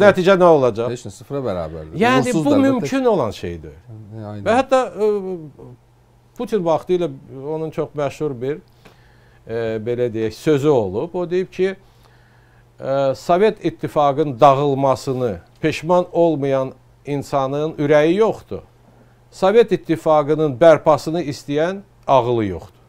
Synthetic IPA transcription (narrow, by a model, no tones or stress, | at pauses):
næt̪ʰiːd͡ʒænæo̞lˠɑd͡ʒɑsɯfɾɑbæɾɑ̰ːbæ̰ɾljæːnibumymcʰino̞lˠɑnʃe̞̰jd̪ivæhæt̪ːɑ | pʰut̪ʰinvɑχt̪ʰɯjlˠɑo̞nunt͡ʃʰo̞χmæʃhuɾbiɾ | be̞læd̪ejæçsø̞zyo̞lˠupo̞d̪ejip̚cʰi | sove̞t̪ʰit̪ʰːifɑɡɯnd̪ɑʁɯlˠmɑsɯnɯpʰe̞ʃmɑno̞lˠmɯjɑn | insɑnɯnyɾæjijo̞χt̪ṵ | sove̞t̪it̪ʰːifɑɡɯnɯnbæɾpʰɑsɯnɯist̪ijæn | ɑʁɯlˠɯjo̞̰χt̪u̥